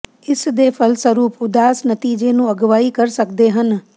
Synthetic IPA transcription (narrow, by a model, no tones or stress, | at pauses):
ɪsd̪eːpʰəlsəɾuːpʊd̪aːsnət̪iːd͡ʒeːnũːəɡʋaːiːkəɾsək̚d̪eːɦən